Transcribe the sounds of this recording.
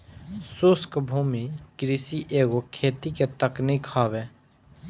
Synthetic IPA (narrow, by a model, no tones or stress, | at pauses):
sʊskbʱuːmikɾisiʔeːɡokʰeːt̪iket̪əknikʰaːbeː